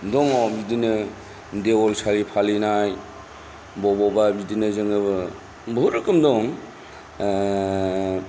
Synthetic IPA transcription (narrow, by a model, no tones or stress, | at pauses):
dɔŋɔbidinɯ | ndeɔlsalipʰalinaj | bɔbɔbabidinɯzɯŋɯbɯ | bʱɯɾɯkɯmdɔŋ